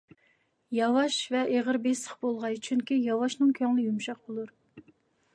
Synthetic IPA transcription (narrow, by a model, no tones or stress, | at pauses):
jɑwɑʃvɛʔeʁəɾbesəχbolˠʁɑjt͡ʃʰyŋkʲijɑwɑʃnɨŋkʲʰøŋlˠɪjumʃɑqbolˠuɾ